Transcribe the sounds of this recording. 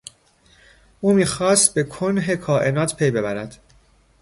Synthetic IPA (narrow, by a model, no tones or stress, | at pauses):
ʔuːmiːxɒːst̪̚be̞kʰonɦe̞kʰɒːʔe̞nɒːt̪ʰpʰe̞jbe̞bæɾæd̪̥